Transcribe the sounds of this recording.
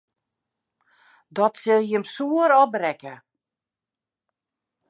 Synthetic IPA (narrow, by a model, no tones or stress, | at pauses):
dɔtsɪlˠjəmsuəɾɔbrɛkə